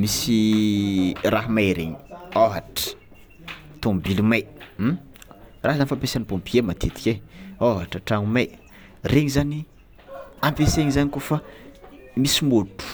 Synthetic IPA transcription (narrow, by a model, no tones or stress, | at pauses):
misi | raɦmajɾeɲoɦaʈ͡ʂə̥ | t̪ombilumajm̩ | raɦzanifapesanipõmpiemat̪ʰet̪i̥kʲeoɦaʈ͡ʂəʈ͡ʂaŋumaj | rʔeɲizani | ampeseɲizanikufa | misimotu̥